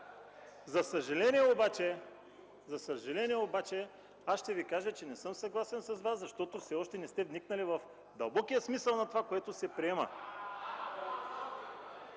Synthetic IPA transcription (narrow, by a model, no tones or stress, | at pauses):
zɐsɐʒɐlɛniɛobat͡ʃɛ | zɐsɐʒɐlɛniɛobat͡ʃɛ | asʃt̪ɛvikaʒət͡ʃɛnɛsɤmsɐɡlˠasɛnsɐzvasɐʃt̪ɔt̪ofsɛɔʃt̪ɛnɛst̪ɛvniknɐlivɐf | d̪ɐlˠbɔkijəsmisəlˠnɐt̪ovakoɛt̪osɛpɾiɛmɐ̰